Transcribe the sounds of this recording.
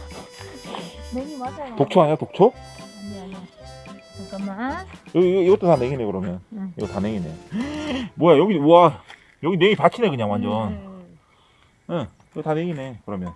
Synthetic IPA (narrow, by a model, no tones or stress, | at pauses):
atok̚t͡ɕʰoɦaɲatok̚t͡ɕʰo | jʌɡiiɡʌt͈otaneɡinekɯɾʌmjʌniɡʌtaneɡine̞̰j | mwʌjajʌɡioa | jʌɡineɡipat͡ɕʰinekɯɲaŋwand͡ʑʌn | e | iɡʌtaneɡine̞kɯɾʌmjʌn